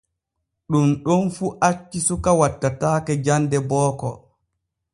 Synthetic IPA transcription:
ɗumɗɔnfuːʔat͡ʃːisukawatːataːkɛd͡ʒandɛbɔːkɔ

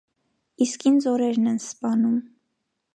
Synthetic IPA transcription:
iskind͡zɔɾɛɾnɛnspɑnum

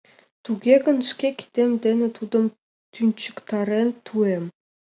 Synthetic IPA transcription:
t̪ʰuɡʲeɡə̆nʃkʲekʲʰi̥t̪emd̪enɪ̆t̪ʰud̪ə̆m | t̪ʰynt͡ɕɪ̥kt̪ɑɾent̪ʰuem

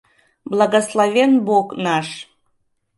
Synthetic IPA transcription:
blˠɑɣəslˠɑvʲenboknɑʃ

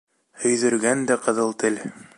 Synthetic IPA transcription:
ɵ̆jðɵ̆ɾɡænd̪æqɤ̆ðɤlˠt̪ɘl

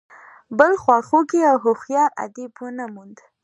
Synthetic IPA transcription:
bəlxwɑxokeawɦoxjɑʔa̰d̪ibwənamund̪

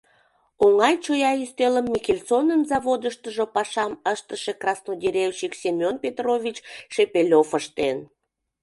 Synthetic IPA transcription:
oŋɑjt͡ɕojɑyst̪eləmːikʲelʲt͡sonənzɑβod̪əʃt̪əʒopɑʃɑməʃt̪əʃekrɑsnod̪ʲeɾʲewʃiksʲemʲonpʲet̪rovʲit͡ɕʃepelʲofəʃt̪en

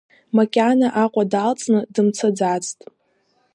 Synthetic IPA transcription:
makʲʼanaʔaqʷʼadalt͡sʼnɨdɨmt͡sʰad͡zat͡sʼtʼ

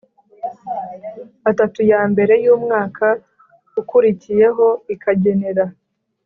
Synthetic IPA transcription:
atatujaːmbe̞ɾe̞juːmŋaːkʰa | ukuɾicije̞ɦo̞ikaɟe̞ne̞ɾa

